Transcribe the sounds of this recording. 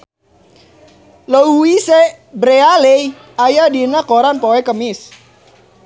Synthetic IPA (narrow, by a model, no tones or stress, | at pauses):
ləuwise | bɾealɛj | ajadinakoɾanpoɛkəmɪs